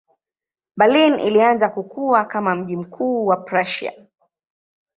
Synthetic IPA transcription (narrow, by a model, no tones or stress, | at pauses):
ɓalinḭlianzakukuakamam̩ʄim̩kʰuːwapɾaʃia̰